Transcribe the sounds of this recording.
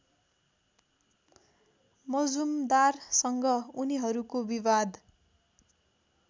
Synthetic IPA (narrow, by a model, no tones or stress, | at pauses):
mʌd͡zumd̪arsʌŋɡʌuniɦʌɾukobiβad̪